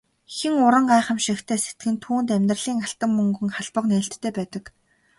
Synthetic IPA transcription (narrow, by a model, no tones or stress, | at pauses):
xĭŋʊɾə̆ɴɢaːχə̆mʃikt̪ʰeːse̥t̪̚ɡɘ̆nt̪ʰuːnt̪æmʲt̪rə̆ɮiːŋaɬt̪ə̆mmɵŋɡɵ̆ŋχaɮpə̆qnĕːɬt̪ʰːeːpæːt̪ə̆k